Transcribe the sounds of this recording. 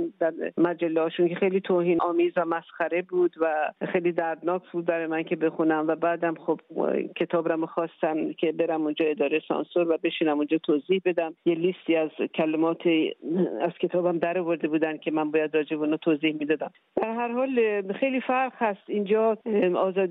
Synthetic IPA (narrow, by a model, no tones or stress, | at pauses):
d̪æɾmæd͡ʒælːehɒːʃunkexejliːt̪ʰoːhiːnʔɒːmiːzvæmæsχæɾe̞buːd̪væxejliːd̪æɾd̪nɒːkʰbuːd̪̚bæɾɒjemæncʰe̞be̞xunæmvæbæːd̪æmχob̥cʰe̞t̪ʰɒːbɾamoxɒːst̪æncʰe̞be̞ɾæmund͡ʒɒːe̞d̪ɒːɾejsɒ̰nsoɾvæbe̞ʃiːnæmund͡ʒɒːt̪ʰoziːhbe̞d̪æmjeliːst̪iːæzkʰælemɒːt̪ʰeæz̥kʲʰe̞t̪ʰɒːbæmd̪æɾɒvo̞ɾd̪e̞buːd̪ænkʲʰe̞mænbɒːjæd̪rɒːd͡ʒebeunɔːt̪ʰoziːhmiːd̪ɒːd̪æm | d̪̥æɾɦæɾhɒːlχejliːfæɾχhæst̪ind͡ʒɒːɒːzɒːd̪